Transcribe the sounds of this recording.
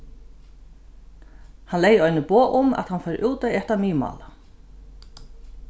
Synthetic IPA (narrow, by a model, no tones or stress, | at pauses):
hanlejəɔjnɪpoːʔʊmæ̰t̪hanfɛɾʔuːt̪aiɛht̪amiːma̰ːla